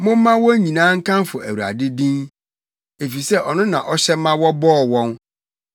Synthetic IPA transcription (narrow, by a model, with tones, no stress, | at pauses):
mʊ̃˦mː˦ã˦wɔ˦ɲĩ˨nãː˦ŋ̩˦kʰã˦mfʊ˨ʔæ˨wu˨ɾa̰˨dɪ˦dĩ˦n | e˨fi˨sɛ˦ʔɔ˨nʊ̃˦nã̰˨ʔɔ˦ɕɛ˦mã˦wɔ˦bɔː˦˨wɔ̃˦n